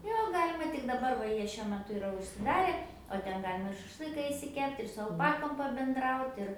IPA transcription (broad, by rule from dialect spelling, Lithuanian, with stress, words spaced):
ˈjoː ˈɡɑːlʲɪmɐ tʲɪk dɐˈbɐr ʋɐ ˈjiɛ ʃʲuɔ mʲɛˈtʊ ɪˈrɐ ʊʃʲsʲɪˈdɑːrʲɛ oː ˈtʲɛn ˈɡɑːlʲɪmɐ ɪr ʃɐʃˈlˠɨkɐ ɪʃʲsʲɪˈkʲɛpʲtʲ ɪr sʊ ɐlˠˈpɑːkoːm pɐbʲɛnˈdrɐʊtʲ ɪr